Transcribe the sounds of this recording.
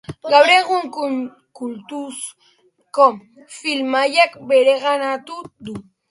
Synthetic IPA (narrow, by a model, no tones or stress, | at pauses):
ɡaβɾeɣʊŋkʊn | kult̪us | kom | filmajakbeɾeɣanat̪ud̪u